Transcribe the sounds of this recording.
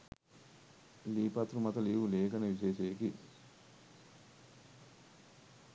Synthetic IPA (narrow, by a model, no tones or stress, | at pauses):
liːpɐt̪ɾumɐt̪ɐliːʋuleːkɐnɐʋiseːʃeːki